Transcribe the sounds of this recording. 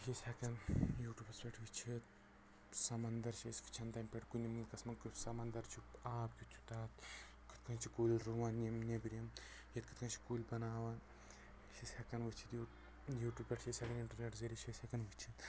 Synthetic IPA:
ʃisʲɐkɐnjuːʈʲjuːpʲɐspʲeʈʰʋɨt͡ʃʰit̪̚ | sɐmɐnd̪ɐɾʃeski̥t͡ʃʰɐnt̪aːmpʲeʈkunʲimɨlkɐsmɐnksɐmɐnd̪ɐɾt͡ʃʰuaːpkʲut͡ʃʰu̥t̪aːt̪ | kɨ̥t̪kɐnt͡ʃʰikuːlʲɾuʋaːnimnebiɾʲjɐm | jɐt̪̚kʰɨ̥t̪kɐnt͡ʃʰi̥kuːlʲbɐnaːʋɐ | ʃisʲhɐkɐnʋɨt͡ʃʰit̪ju | juːʈʲjuːbpʲeʈʰʃesʲɐkɐniɳʈɐɾnʲeʈzeɾʲiʃʰesʲɐkɐnʋɨt͡ʃʰit̪

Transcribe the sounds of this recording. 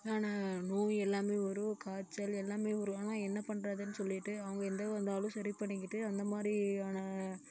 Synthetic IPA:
aːnaːnuːɛlːaːmeːɔɾɯkaːt͡ʃːɐlɛlːaːmeːɔɾɯaːnãːɛnːɐpɐɳɾɐðɯnːɯsɔlːɪʈːɯɐʋɐŋɡɐɛnd̪ɐɐnd̪aːlɯ̃sɐɾipɐɳːɪkːɪʈːɯɐnd̪ɐmaːd̪ɾiaːnaː

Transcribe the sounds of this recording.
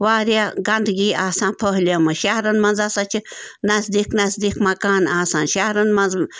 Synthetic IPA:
waːɾjaɡɐnd̪ɡiːaːsãːnpʰəɦliamɨʃahɾɐnmɐnzasat͡ʃʰinɐzd̪iːknɐzd̪iːkmɐkaːnaːsaːnʃahɾɐnmɐnz

